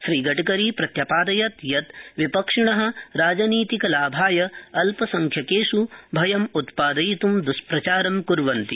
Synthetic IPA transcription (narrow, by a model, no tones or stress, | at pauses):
ʃɾiːɡɐʈɐkɐɾiːpɾɐt̪jɐpaːd̪ɐjɐt̪jɐt̪ʋipɐkʂiɳɐɦɐ̆ɾaːd͡ʒɐniːt̪ikɐlaːbʱaːjɐɐlpɐsɐŋkʰjɐkeːʂubʱɐjɐmut̪paːd̪ɐjit̪umd̪uspɾɐt͡ʃaːɾɐmkuɾʋɐnt̪i